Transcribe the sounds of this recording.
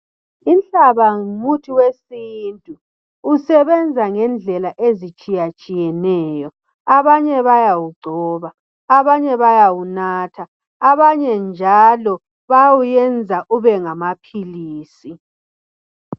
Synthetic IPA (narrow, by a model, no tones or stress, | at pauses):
inɬaβamutʰiwesintʼuː | sɛβɛnd͡zʱaŋɛnd͡ɮʱɛlaʔezit͡ʃʼijat͡ʃʼijɛnɛːjɔ | aβaɲɛβajawuɡ͡ǀʱɔːβaː | βaɲɛβajawunaːtʰaː | βaɲɛnd͡ʒʱalɔ | βawujɛnd͡zʱaʔuβɛŋamapʰiliːsi